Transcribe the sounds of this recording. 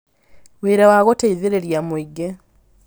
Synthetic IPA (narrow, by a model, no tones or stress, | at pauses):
weːɾawaɣoteiðeɾeɾjamoiɡe